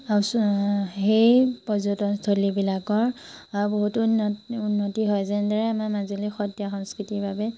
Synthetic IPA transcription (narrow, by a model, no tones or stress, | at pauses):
ausxejpɔzutɔstʰolibilakɔɹ | aɹuboɦutuunːotiɦɔjzɛndaɹɛamamazilixɔtjaxɔŋskitiɹbʱabɛ